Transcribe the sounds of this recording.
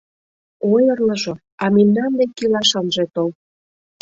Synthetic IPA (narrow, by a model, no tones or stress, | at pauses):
ojɤ̆rlɤ̆ʒo | ɑminːɑnd̪ekːilɑʃɑnʒet̪ol